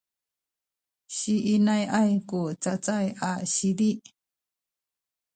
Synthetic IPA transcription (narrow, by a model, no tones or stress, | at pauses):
ɕiʔinajʔajkut͡sat͡sajʔaɕidi